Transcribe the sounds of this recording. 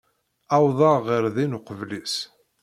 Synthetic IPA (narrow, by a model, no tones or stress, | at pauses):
ɑwðˤɑːəɾðinʊqəvlis